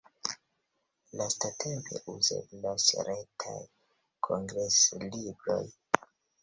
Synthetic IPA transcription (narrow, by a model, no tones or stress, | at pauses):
lastatʰempe̞̰ʔuzḛblasɾetʰa̰j | kʰoŋɡɾeslibɾo̞̰j